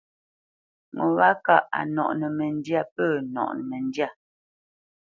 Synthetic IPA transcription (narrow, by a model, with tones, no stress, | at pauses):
ŋɔ˨wa˦ka˦˨ʔa̰˨nɔ̰˨ʔnə˨mɛ˨n˦dja˦˨pə˦˨nɔ̰˨ʔn˨mɛ˨ndja˦˨